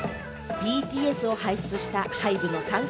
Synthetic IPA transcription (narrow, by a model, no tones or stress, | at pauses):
bʲiːt̪ʲiːe̞sɨo̞haiɕɯ̥t͡sɨɕi̥t̪ahaibɯ̟no̞sãŋ